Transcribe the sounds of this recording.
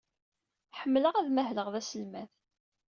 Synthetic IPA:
ħəmːləʁæðmæɦləʁðæsəlmæθ

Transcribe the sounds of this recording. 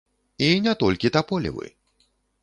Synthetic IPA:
inʲɛt̪ɔlʲkʲit̪apɔlʲḭvɨ̰

